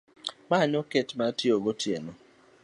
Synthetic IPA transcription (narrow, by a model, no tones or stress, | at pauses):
maɲɔketmatjoɡotjenɔ